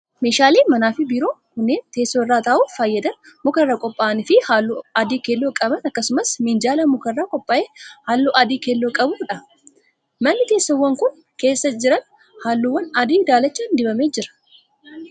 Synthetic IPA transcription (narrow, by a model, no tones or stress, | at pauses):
me̞ːʃaːleːmɐnaːfɪbiːɾo̞ːkʊnːeːnt̪e̞ːsːoɪrːaːt̪ɐːʔuːfaːjːɐd̪ɐnmʊkɐrːakʼɔpʼːaːnɪfɪhaːlːuɐd̪iːkelːoːkʼɐbɐnɐkːɐsʊmɐsmɪnd͡ʒaːlɐmʊkɐrːakʼɔpʼːaːʔehaːlːoʔɐd̪iːkelːoːkʼɐbuːᶑɐ | mɐnːɪt̪eːsːowːɐŋkʊn | ke̞ːsːɐd͡ʒɪɾɐn | haːlːuwːɐnɐd̪iːd̪aːlɐt͡ʃːaːnd̪ɪbɐmeːd͡ʒɪɾɐ̥